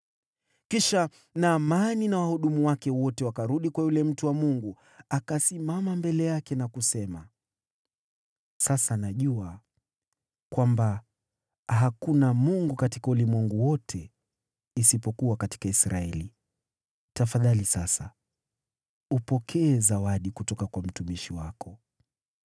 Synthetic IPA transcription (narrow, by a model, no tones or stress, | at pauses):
kiʃa | naːmaninawahuɗumuwakɛwɔtɛwakaɾuɗikwajulɛm̩tuwamuŋɡu | akasimamambɛlɛjakɛnakusɛma | sasanaʄua | kwamba | ɦakunamuŋɡukatikaulimwɛŋɡuwɔtʰɛ | isipɔkuwakati̥kaisɾʔaɛli | tafaðalisasa̰ | upɔkʰɛːzawaɗikutɔkakwam̩tumiʃiwakɔ